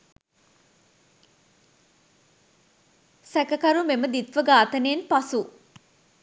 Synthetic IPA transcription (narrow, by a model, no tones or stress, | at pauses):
sækəkɐɾumeməd̪it̪ʋəɡaːt̪əneːnpasu